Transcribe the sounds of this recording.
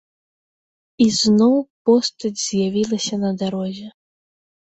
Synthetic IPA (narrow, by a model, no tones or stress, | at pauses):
iznɔwpɔst̪ɐd͡zʲz̥ʲjavʲilˠɐsʲɐnɐd̪aɾɔzʲɛ